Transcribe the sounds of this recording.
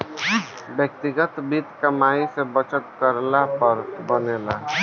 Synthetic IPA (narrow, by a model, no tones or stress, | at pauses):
bjək̚t̪ɪɡət̪biːt̪kɐmaːisebət͡ʃət̪̚kəɾlapəɾbəneːlaː